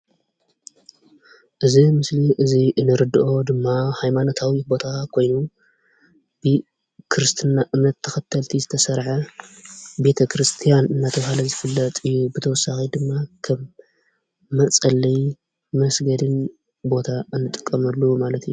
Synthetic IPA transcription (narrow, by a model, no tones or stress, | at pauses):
ʔɨzimɨsliʔɨziʔɨnːɨɾɨd̪ɨʔo̞d̪ɨmːahajmano̞t̪ʰawibo̞t̪ʰakʰo̞jnu | b̥ɨ | kʰɾɨst̪ʰɨnːaʔɨmnɐt̪ʰːɐ̥xɐt̪ʰːɐlt̪ʰizɨt̪ʰɐsɐɾʕɐ | be̞t̪ʰɐkɾɨst̪ʰijanɨnːat̪ʰɐβhalɐzɨfɨlːɐt̪ʼɨjːubɨt̪ʰɐwɔsːaxid̪ɨmːakʰɐmː | ɐt͡sʼɐlɐj | mɐsɡɐd̪ɨn | bo̞t̪ʰaɨnːɨt̪ʼɨkʼːɐmɐlːumalɐt̪ijːu